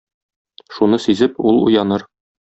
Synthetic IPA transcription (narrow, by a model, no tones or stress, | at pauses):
ʃunɤsʉzɘpulˠṵjɑnɤɾ